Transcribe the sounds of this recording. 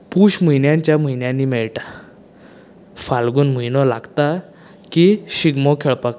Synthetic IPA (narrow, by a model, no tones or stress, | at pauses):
puɕmujnjãɲt͡ɕjam̤ujnjãnːiːmɛɭʈa | falɡuːnm̤ujnɔla̰ɡt̪a | kiɕiɡmɔkʰeɭpak